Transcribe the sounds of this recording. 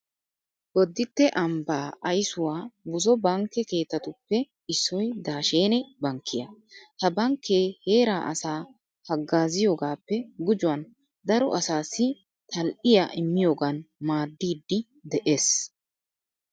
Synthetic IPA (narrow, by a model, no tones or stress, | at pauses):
ɡɔd̪ːɪt̪ːɛʔɐmbaːʔɐjsʊwaːbʊzɔbɐŋkːɛke̞ːt̪ːɐt̪ʊpːɛ | ɪsːɔjd̪aːʃeːnɛbɐŋkːɪjɐhɐbɐŋkʰːeːhe̞ːɾaːʔɐsaː | hɐɡːaːzɪjo̞ːɡaːpːɛɡʊd͡ʒʊwɐn | d̪ɐɾɔ̰ʔɐsaːsːɪ | t̪ʰɐlʔɪjaʔɪmːɪjo̞ːɡɐnmaːd̪ːiːd̪ːɪ | d̪ɛʔe̞ːs